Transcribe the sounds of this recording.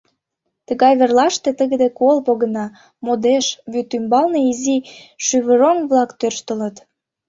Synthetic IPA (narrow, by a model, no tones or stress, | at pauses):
t̪əɣɑjβerlɑʃt̪et̪əɣəd̪ekolpoɣə̆nɑ | mod̪eʃβyt̪ːymbɑlneiziʃyβəɾomβlɑkt̪ørʃt̪ə̆lə̆t̪